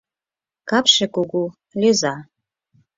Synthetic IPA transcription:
kapʰʂekʼuɡu | lʲeza

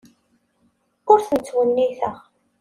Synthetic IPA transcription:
ʊɾθənt͡sːwənːiθəʁ

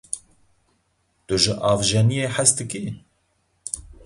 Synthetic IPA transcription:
t̪ʊʒɪʔɑːvʒɛnijeːħæst̪ɨki

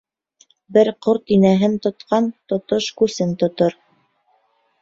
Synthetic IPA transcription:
bɘɾqoɾt̪inæɦɘnt̪ŏt̪qʰɑnt̪ŏt̪oʃkʉsɘnt̪ŏt̪oɾ

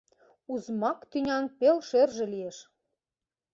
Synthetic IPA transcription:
uzmɑkt̪ynʲɑnpelʃerʒĕlijeʃ

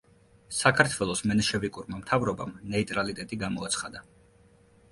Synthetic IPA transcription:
sakʰaɾt̪ʰwɛlˠɔsmɛnɛʃɛvikʼuɾmamt̪ʰavɾɔba̰mnɛit̪ʼɾalit̪ʼɛt̪ʼiɡamɔat̪sʰχad̪a

